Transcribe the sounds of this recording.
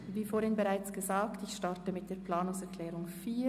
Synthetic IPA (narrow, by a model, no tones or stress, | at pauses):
viːfoːɾhɪnbəʁaɪt͡sɡ̥əzaːktɪçʃtaʁtəmɪt̚d̥eːɐplaːnʊŋsɛʁkʰlɛːʁʊŋfiː